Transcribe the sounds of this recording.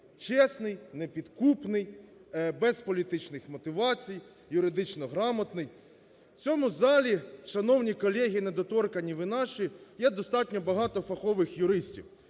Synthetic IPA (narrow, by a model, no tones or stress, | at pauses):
t͡ʃɛsnɪjnepʲid̪kupnɪjbɛspɔlʲit̪ɪt͡ʃnɪxmɔt̪ɪʋɑt͡sʲijː | ʊɾɪd̪ɪt͡ʃnɔɦɾɑmɐt̪nɪj | t͡sʲɔmʊzɑlʲiʃɐnɔwnʲikɔlʲɛɦʲijined̪ɔt̪ɔrkɐnʲiʋɪnɑʃijɛd̪ɔst̪ɑtʲnʲɔbɐɦɑt̪ɔfɐxɔʋɪxjʊɾɪsʲtʲḭw